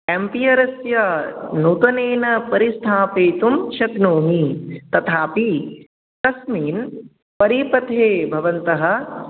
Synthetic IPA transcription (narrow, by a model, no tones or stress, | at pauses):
empijɐɾɐsjɐnuːt̪ɐneːnɐpɐɾist̪ʰaːpeːt̪umʃɐt̪noːmit̪ɐt̪ʰaːpi | k̪ɐsmiːn | pɐɾiːpɐt̪ʰeːbʱɐʋɐnt̪ɐɦɐ̆